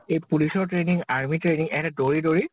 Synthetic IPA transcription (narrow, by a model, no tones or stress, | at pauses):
ejpulisɔɹtɹeniŋaɹmitɹeniŋɛtɛdoɹidoɹi